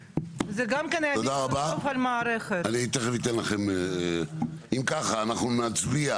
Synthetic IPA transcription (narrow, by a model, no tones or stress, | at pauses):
zeɡamkeneod̪aʁabafalmaːɾeχetaniit̪eχevit̪enlaχem | imkaχaːnaχnunat͡sbia